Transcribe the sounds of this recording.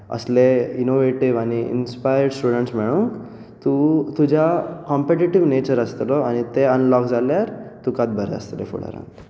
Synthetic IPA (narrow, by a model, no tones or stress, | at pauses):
ə̰sleinoʋeʈiʋaniḭnspajəɾɖsʈuːɖəɳʈsmeɭuŋk | t̪ut̪ud͡ʑʱakɔmpeʈiʈiʋnet͡ɕəɾəst̪ɾoanit̪eənlɔkd͡zaljaɾt̪ukat̪̚bʱəɾḛə̰st̪ɾefṵɽḛɾa̰